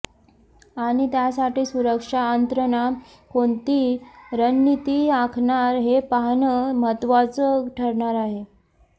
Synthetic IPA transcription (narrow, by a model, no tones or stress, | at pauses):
aɽ̃it̪jasaʈiːsuɾəkʂaənt̪ɾəna | koɳt̪iɾənːit̪iːakʰɳaɾɦepaɦɳəmət̪ʋat͡səʈʰəɾɳaɾaɦe